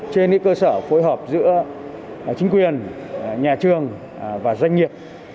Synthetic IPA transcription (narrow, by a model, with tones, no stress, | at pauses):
t͡ɕe˧nɨ̰˧˥kəː˧səː˧˩fo˨˦jɦəː˨˩p̚zɨ̰˧˥ə | t͡ɕï˨˦ŋ̟kwi˨˩ənɲaː˨˩t͡ɕɨ˨˩əŋ | vaː˨˩za˧jŋ̟ŋi˨˩əp̚